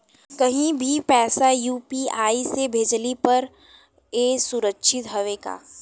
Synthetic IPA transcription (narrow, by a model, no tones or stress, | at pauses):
kɐɦĩbʱipɛːsajuːpiaːisebʱeːd͡ʒlipɐɾ | eːsʊɾəkʃɪt̪ɦɐʋeːɡa̰ː